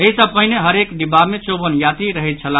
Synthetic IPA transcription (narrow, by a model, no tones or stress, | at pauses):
eɦisəpəɦɪneɦəɾekd̪ibamet͡ʃobənjat̪iɾəɦɛt̪̚t͡ʃʰələ